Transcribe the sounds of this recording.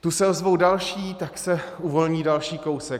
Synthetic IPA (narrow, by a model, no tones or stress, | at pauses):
t̪usɛozvo̞wdalʃiːt̪aksɛuvo̞lɲiːdalʃiːko̞wsɛk